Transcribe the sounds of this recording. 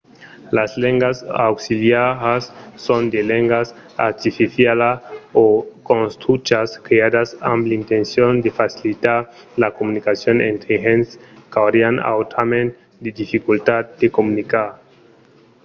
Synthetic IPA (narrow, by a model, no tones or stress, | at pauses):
lasleŋɡasawksiljaɾasːond̪eleŋɡas | aɾt̪ifiθjalaokõnst̪ut͡ʃaskɾead̪asamplint̪ensjond̪efasilit̪aɾ | lakomunikasjonḛ̃nt̪ɾeɦenskawɾiana̰wt̪ʰamẽn | d̪ed̪ifikult̪at̪̚d̪ekomunikaɾ